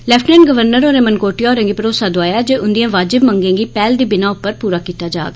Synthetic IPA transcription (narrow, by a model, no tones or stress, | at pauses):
lɛːfʈnɛːnɡəʋəɾnəɾoːɾeːmənkoːʈɪjaːɾə̃ŋɡiːpəɾoːsaːd̪oaːjaːd͡ʒeːʊnd̪ijãːʋaːd͡ʒɪbməŋɡẽːɡiːpɛːld̪iːbɪnãːʊpːəɾpuːɾaːkiːt̪aːd͡ʒa̰ːɡa